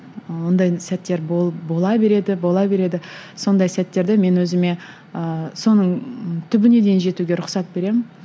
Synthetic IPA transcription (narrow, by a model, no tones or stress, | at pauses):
wond̪ɑjsæt̪ːe̞ɾbobo̞lˠɑbe̞ɾe̞d̪ɪbo̞lˠɑbe̞ɾe̞d̪ɪso̞nd̪ɑjsæt̪ːe̞ɾd̪e̞me̞nwɵzɪme̞ | əso̞nəɴt̪ʰʏbɪne̞d̪e̞jnʒe̞t̪uɡʲe̞ɾʊqsɑt̪̚be̞ɾe̞mɪn